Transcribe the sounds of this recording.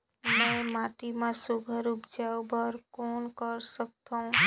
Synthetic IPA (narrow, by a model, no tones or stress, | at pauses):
mẽmaʈimãsubʱəɾupd͡ʒawbəɾkonkəɾsək̚t̪õ